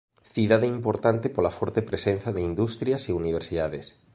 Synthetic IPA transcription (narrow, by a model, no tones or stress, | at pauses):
θiðaðeimpoɾt̪ant̪epolafɔɾt̪epɾesenθaðeind̪ust̪ɾjaseuniβ̞eɾsiðaðes